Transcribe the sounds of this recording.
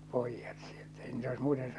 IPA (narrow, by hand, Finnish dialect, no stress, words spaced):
poˑijːɑt sieltæ̥ ei niːtæ ois muːten